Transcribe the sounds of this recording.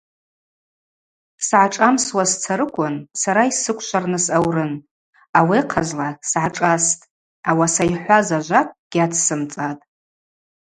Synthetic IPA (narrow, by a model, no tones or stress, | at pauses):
sʕaʈ͡ʂʼamswast͡sʰaɾɨkʷʰʼʊnsaɾaisɨkʷʰʃʷarnɨsawrɨn | aweqʰazlasʕaʈ͡ʂʼastʼ | awasajħʷazaʒʷakʼɡ̥ʲatʰsɨmt͡sʼatʼ